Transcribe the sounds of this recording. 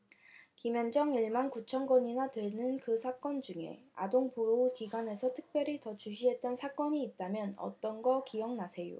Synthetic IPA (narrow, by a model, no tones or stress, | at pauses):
kimjʌnd͡ʑʌŋiɭmankut͡ɕʰʌnɡʌɲinatɯɭnɯnkɯsʰak͈ʌnd͡ʑuŋe̞̰a̰doŋpoukiɡwane̞sʰʌtʰɯ̥k̚p͈jʌɾitʌt͡ɕuɕʰiɦe̞t̚t͈ʌnsʰak͈ʌɲiːt̚t͈amjʌnʌ̰t͈ʌnɡʌkijʌŋnasʰe̞jo̰